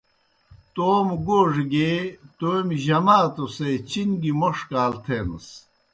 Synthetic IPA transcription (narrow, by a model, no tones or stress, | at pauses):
t̪oːmɡoːʐɡet̪ojmʑɐmaːt̪oset͡ɕinɡimoʂkaːlt̪ʰeːnɐ̰s